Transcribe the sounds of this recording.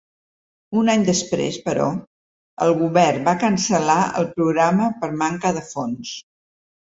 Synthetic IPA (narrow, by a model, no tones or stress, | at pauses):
unaɲd̪əspɾḛspəɾɔ̰ | ə̰lˠɣuβɛrbakənsəlaə̰lˠpɾuɣɾaməpəɾmaŋkəðəfons